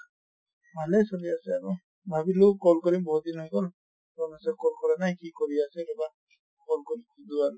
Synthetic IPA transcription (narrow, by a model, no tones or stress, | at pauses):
bʱalɛsɔliasɛaɹu | bʱabilukɔlkɔɹimbɔɦut̪̚dinɦɔjɡɔl | zɔnasɛkɔlkɔɹanajkikɔɹiasɛɾɔba | kɔlkɔɾimkʰudual